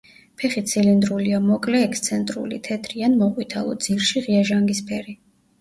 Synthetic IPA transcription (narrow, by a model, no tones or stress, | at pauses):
pʰɛχit̪sʰilind̪ɾuliamɔkʼlɛːkst̪sʰɛnt̪ʼɾṵlḭt̪ʰɛt̪ʰɾianmɔʁʼwit̪ʰalˠɔ̰d̪z̥iɾʃiʁiaʒaŋɡispʰɛɾi